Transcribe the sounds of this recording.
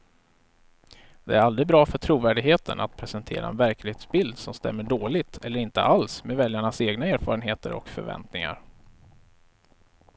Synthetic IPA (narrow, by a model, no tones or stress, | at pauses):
d̪ɛæɾalɾɪbɾɑːfœʈʰɾuːvæːɖɪɡɦeːt̪ʰə̰nʔa̰t̪̚pʰɾɛsənt̪ʰḛːɾa̰ɛ̰nvæɾklɪheːt̪sbɪld̪sɔmst̪ɛ̰mːəɖoːlɪɡt̪ʰɛlːəɾɪnt̪ə̰ʔalsmeːd̪vɛljaɳaseːɡnaeːɾfɑ̰ːɾənɦeːt̪ə̰ɾɔ̰kfœ̰ɾvɛ̰nt̪nɪŋa̰ɾ